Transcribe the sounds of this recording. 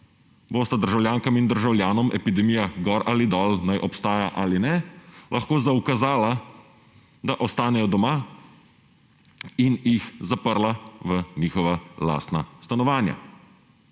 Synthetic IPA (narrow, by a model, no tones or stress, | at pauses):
boːst̪ad̪əɾʒawljaːŋkamind̪əɾʒawlʲjaːnɔmʔɛpid̪ɛmijaɡɔɾaːlid̪ɔːlnajʔɔpst̪aːjaʔaːlinɛlʔaxkoːzaukazaːla | d̪aʔɔst̪aːnɛjɔd̪ɔma | injixzapəɾlaʋəniːxɔʋala̰ːst̪nast̪anɔʋaːnja̰